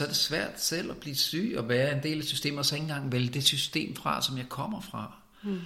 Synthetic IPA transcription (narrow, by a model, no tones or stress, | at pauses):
sɒ̽æɐd̥e̝sʋæɐ̰d̥sel̰ɒb̥liːsy̰ːɒ̽ʋæːɐe̝nd̥e̝̰ːlæsysd̥e̝̰ːmɐsɒ̽e̝ŋn̩ɡ̥ɑ̈ŋ̰ʋeljəd̥e̝sysd̥e̝̰ːmfʁɑ̈sɒ̽mjɑ̈ɪkʰɒ̽m̰ɐfʁɑ̈